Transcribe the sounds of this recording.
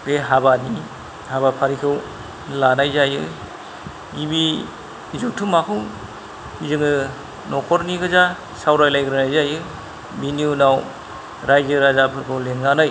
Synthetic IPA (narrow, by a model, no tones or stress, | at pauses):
ɾeɦabani | haβapʰaɾikʰɯw | lanajzajɯ | ɡibi | izutʰumakʰɯw | izɯŋɯ | nɔkʰɔɾniɡɯza | sawɾajlajɡɯɾɯnajzajɯ | biniunaw | ɾajzɯɾazapʰɯɾkʰɯwlenɡanaj